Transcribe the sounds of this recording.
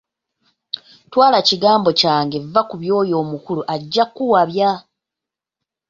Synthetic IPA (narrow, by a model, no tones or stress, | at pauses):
twaːlaciɡaːmbo̞caːŋɡe̞vːakuβjo̞ːjo̞ːmukuluʔaɟːakːuwaβja